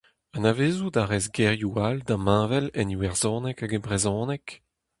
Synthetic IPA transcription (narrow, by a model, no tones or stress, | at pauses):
anaveːzud̪aʁɛzɡɛʁjuald̪amãːvɛlɛniwɛʁzɔ̃ːnɛkaɡɛbʁezɔ̃ːnɛk